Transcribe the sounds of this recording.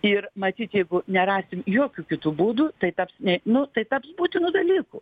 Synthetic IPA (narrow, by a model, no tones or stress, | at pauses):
ɪrmɐt̪ʲiːt̪jɛɪɡʊnʲɛɾɑːsʲɪmjoːkʲukʲɪt̪uːbuːd̪uːt̪ɐɪt̪ɐpsnʲɛnʊt̪ɐɪt̪ɐpsbuːt̪ʲɪnuːd̪ɐlʲiːkʊ